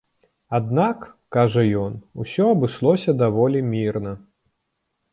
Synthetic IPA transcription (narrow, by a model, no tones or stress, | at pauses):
ad̪nakː | aʐɐjɔnusʲɔɐbɨʂlˠɔsʲɐd̪avɔlʲimʲirnɐ